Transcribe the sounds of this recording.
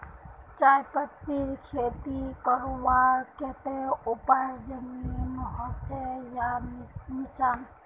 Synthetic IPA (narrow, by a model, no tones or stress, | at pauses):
t͡ʃajpət̪ːiɾkʰet̪ikəɾoʋaɾket̪eupəɾd͡ʒəminɦɔt͡ʃejamit͡ʃan